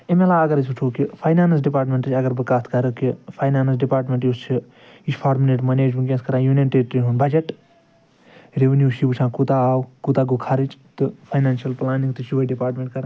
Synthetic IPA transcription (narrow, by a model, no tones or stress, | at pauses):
emelaːɐɡɐɾis̬ut͡ʃʰoːkipʰaːjnaːns̬ɖipaːɾʈmʲẽɳʈɨt͡ʃʰʲɐɡɐɾbɨkaːt̪kɐɾəkipʰaːjnaːnsɖipaːɾʈmʲẽɳʈjust͡ʃʰi | it͡ʃʰpʰaːɾmileʈmɐneːd͡ʒmĩk̬ʲjɐ̃skɐɾãːjuːnjɐnʈeʈɾinɦunbɐd͡ʒɐʈ | ɾeʋenjuːʃibt͡ʃʰãːkut̪aaːwkut̪aːɡokʰaɾit͡ʃʰt̪ɨpʰajnaːnʃɐlplaːnĩŋɡt̪uʃiʋɐiɖipaːɾʈmʲẽɳʈkɐɾ